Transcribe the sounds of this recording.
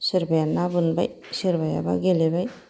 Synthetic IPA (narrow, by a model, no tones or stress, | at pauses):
siɾbajanabɯnba̰j | siɾbaja̰ba̰ɡeleβaj